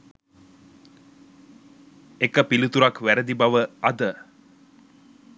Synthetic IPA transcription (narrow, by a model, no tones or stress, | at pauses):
ekəpilut̪uɾakʋæɾəd̪ibaʋəɐd̪ə